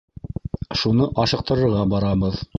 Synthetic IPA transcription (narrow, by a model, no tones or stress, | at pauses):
ʃunɤʔɑʃɤ̆q̚t̪ɤ̆ɾɤ̆ɾʁɑbɑɾɑbɤð